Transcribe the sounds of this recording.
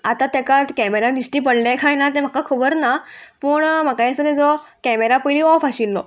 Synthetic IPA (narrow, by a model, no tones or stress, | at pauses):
at̪at̪ɛkat̪kɛmeɾad̪isʈiːpəɽlãkʰajnat̪̬em̤akakʰubəɾnapəːɳm̤akajesəned͡zɔkɛmeɾapəjliːɔfaɕilːɔ̰